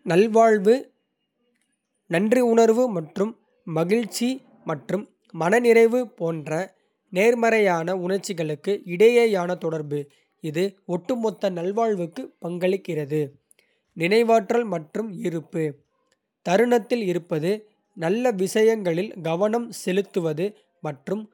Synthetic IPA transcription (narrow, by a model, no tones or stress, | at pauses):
nɐlʋaːɭʋɯ | nɐndriʊɳɐɾʋɯmɐʈrɯmː | ɐɣɪɻt͡ʃːi | mɐʈrɯmː | ɐnɐnɪɾɐɪʋɯpoːndrɐ | neːɾmɐɾɐjaːnɐʊɳɐɾt͡ʃːɪɣɐɭɯkːɯɪɽɐjɐjaːnɐt̪ɔɽɐɾbɯ | ɪðɯɔʈːɯmɔt̪ːɐnɐlʋaːɭʋɯkːɯpɐŋɡɐɭɪkːɪrɐðɯ | nɪnɐɪʋaːʈrɐlmɐʈrɯmɪɾɯpːɯ | t̪ɐɾɯɳɐt̪ːɪlɪɾɯpːɐðɯ | nɐlːɐʋɪsɐjɐŋɡɐɭɪlɡɐʋɐnɐmsɛlɯt̪ːɯʋɐðɯ | mɐʈrɯm